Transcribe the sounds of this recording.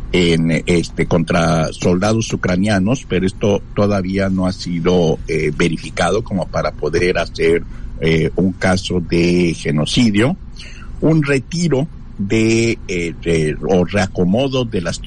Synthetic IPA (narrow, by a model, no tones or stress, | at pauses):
enest̪eko̞nt̪ɾaso̞ld̪aðo̞sukɾanjano̞spe̞ɾoe̞st̪o̞t̪o̞ðaβiano̞asiðo̞eβe̞ɾifikað̞o̞ko̞mo̞paɾapo̞ðe̞ɾaseɾeuŋkaso̞ðe̞xe̞no̞siðjo | unre̞t̪iɾo̞ | ðe | eore̞ako̞mo̞ðo̞ðe̞las